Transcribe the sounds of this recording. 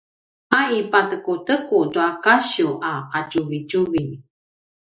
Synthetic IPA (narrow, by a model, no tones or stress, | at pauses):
aipatəkutəkutuakaɕuʔaqacuvit͡ʃuvi